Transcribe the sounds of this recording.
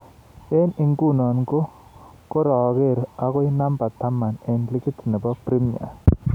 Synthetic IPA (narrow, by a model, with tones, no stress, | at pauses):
e˦nɪ˨ŋɡu˦˨nɔ˨nɡo˦ | ko˦ɾɔ˨ke˦˨ɾa˦kɔ˦ɪ˦na˦mba˨ta˦ma˨nɛ˨nli˦ki˦ti˨nɛ˨bɔ˦pɾi˦mi˨a̰˨